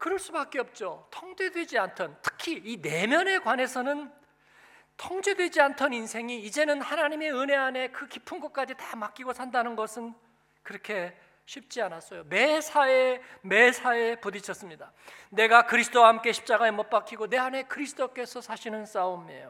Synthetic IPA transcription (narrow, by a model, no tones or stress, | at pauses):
kɯɾʌɭs͈ubak͈eʌp̚t͡ɕ͈otʰʌŋd͡ʑe̞dwe̞d͡ʑiantʰʌntʰɯ̥kʰiːne̞mjʌne̞kwane̞sʰʌnɯn | tʰʌŋd͡ʑe̞dwe̞d͡ʑiantʰʌninsʰe̞ŋiːd͡ʑe̞nɯnhanaɲime̞ɯne̞ane̞kɯkipʰɯnɡʌk̚k͈ad͡ʑitamak͈iɡosʰandanɯnɡʌsʰɯn | kɯɾʌkʰe̞ | ɕʰip̚t͡ɕ͈ianas͈ʌjomesʰaeme̞sʰae̞podit͡ɕʰʌs͈ɯmɲida | ne̞ɡakɯɾisʰɯ̥d͈owaɦamk͈e̞ɕʰi̥p̚t͡ɕ͈aɡaemʌp͈ak͈iɡone̞ɦane̞kɯɾisʰɯ̥d͈ok͈e̞sʰʌsʰaɕʰinɯns͈aomḛjo